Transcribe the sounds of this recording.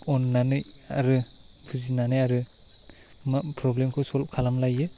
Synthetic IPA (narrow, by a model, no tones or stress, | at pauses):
ɔnːanɯjaɾɯ | pʰɯzinanɯjaɾɯ | mapɾɔblemkʰɯwsɔlkʰalamlajɯ